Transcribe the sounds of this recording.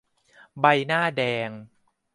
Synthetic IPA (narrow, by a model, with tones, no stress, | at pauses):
ba˧jnaː˥˩dɛː˧ŋ